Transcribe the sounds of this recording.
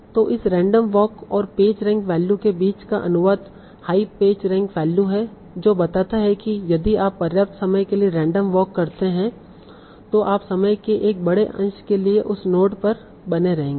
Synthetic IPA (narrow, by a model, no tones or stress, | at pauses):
t̪oːʔɪsɾɛ̃ːɳɖəmʋɔːkɔːɾpeːd͡ʒɾɛ̃ːŋkʋɛːljukebiːt͡ʃkaʔɐ̰nʊʋaːt̪ | haːipːeːd͡ʒɾɛ̃ːŋkʋɛːljuɦɛ | d͡ʒoːbɐt̪aːt̪aɦɛkijɐd̪iaːpːɐɾjaːp̚t̪sɐməjkelieɾɛ̃ːɳɖəmʋɔːkːɐɾt̪eɦɛ̃ | t̪oʔaːpsɐməjkeʔeːk̚bɐɽeʔɐ̰̃nʃkelieʔʊsnoːʈpɐɾ | bɐneɾɐɦẽːŋɡeː